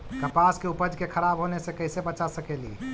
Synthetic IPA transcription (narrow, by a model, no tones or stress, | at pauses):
kəpaskeupəd͡ʒkekʰəɾabɦonesekəɪsebət͡ʃasəkelḭ